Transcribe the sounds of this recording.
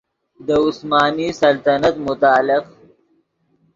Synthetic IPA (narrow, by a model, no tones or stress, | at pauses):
d̪əʊsmaːniːsɐlt̪ɐnɐt̪mʊt̪aːlɪq